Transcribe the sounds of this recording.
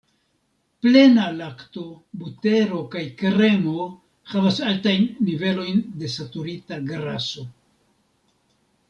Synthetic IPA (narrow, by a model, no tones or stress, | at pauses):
ple̞nalakto̞ | bute̞ɾo̞kajkɾe̞mo̞ | havasaltajnːive̞lo̞jnde̞satuɾitaɡɾaso̞